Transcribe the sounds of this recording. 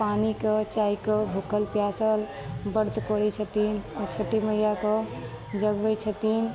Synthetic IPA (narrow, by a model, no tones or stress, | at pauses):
panikət͡ʃaikəbʱukəlpjasəl | bəɾt̪kɔɾɛt͡ʃʰət̪inɔt͡ʃʰəʈiməɦijakə | d͡ʒəɡbəjt͡ʃʰət̪in